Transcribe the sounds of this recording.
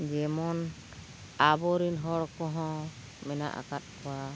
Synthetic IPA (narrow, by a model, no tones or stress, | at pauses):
d͡ʒɛmɔn | abɔɾinɦɔɽkɔɦɔ̃ | mɛna̰ʔa̰kat̪̚kɔwa